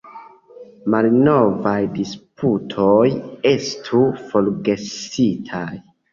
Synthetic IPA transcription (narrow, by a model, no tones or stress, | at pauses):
malno̞vajdispʰutʰo̞je̞stʰufo̞lɡe̞sitʰaj